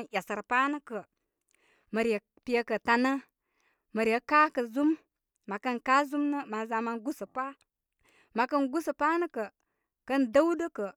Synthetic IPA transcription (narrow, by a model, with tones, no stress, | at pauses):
nʔʲa˨sə˨ɾpa˦nə˦kə˨ | mə˨ɾə˨ | pi˨˦ə˦kə˨ta˨nə˦ | mə˨ɾə˨˦ka˦kə˨zu˦mː | a˨kə˦nka˦zu˦mnə˦ma˨za˨ma˦nɡu˦sə˨pa˦ | ma˨kə˦nɡu˦sə˨pa˦nə˦kə˨ | kə˦ndə˦wdə˦kə˨